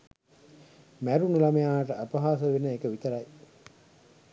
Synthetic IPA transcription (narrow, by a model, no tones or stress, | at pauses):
mæɾunɐlɐmejaːʈəʔɐpɐɦaːsəʋenːəekəʋit̪əɾɐj